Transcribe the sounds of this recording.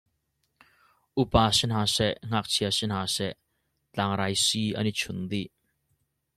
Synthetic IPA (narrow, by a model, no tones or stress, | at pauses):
ʔupaːsɛnɦaːsɛʔŋ̥ak̚t͡sʰiɐsɛnhaːsɛʔ | t͡ɬaːŋɾajsiʔa̰nit͡sʰund̪iʔ